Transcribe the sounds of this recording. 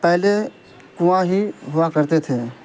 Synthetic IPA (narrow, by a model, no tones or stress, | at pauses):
pɛɦle | kʊʋãɦiɦʊʋakəɾt̪et̪ʰeː